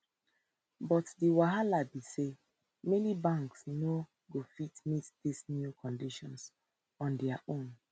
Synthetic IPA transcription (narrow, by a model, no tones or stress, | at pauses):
bɔtdiwaɦalabise | menibãŋksjino | ɡofitmitdisnjukɔ̃ndiʃɔ̃ns | ɔ̃ndɛaʔõn